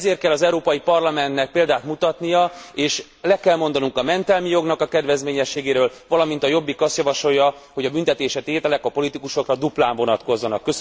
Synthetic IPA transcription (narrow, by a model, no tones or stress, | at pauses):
zeːrt̪kɛlːɒzɛuɾoːpɒjipɒrlɒmɛnt̪nɛk̚peːld̪aːt̪mut̪ɒt̪nijɒeːʃ | lɛkɛlmo̞nd̪ɒnuŋkɒmɛnt̪ɛlmijo̞ɡnɒkɒkɛd̪ʋɛzmeːɲɛʃːeːɡeːɾøːlvɒlɒmint̪ɒjo̞bːikɒst̪jɒvɒʃo̞jːɒ | ho̞ɟɒbynt̪ɛt̪eːʃɛt̪eːt̪ɛlɛkɒpo̞lit̪ikuʃo̞krɒd̪uplaːɱvo̞nɒt̪ko̞zːɒnɒkːøs